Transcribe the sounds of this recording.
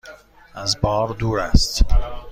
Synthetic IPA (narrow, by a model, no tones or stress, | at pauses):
ʔæzbɒːɾd̪uːɾæst̪